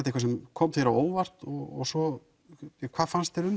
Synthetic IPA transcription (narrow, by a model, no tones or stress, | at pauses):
t̪ːhkvasɛmkʰɔmθeɾaoːwvar̥t̪ɔɣɔɣsɔ | ɛkʰvaːfanst̪ɛɾʏm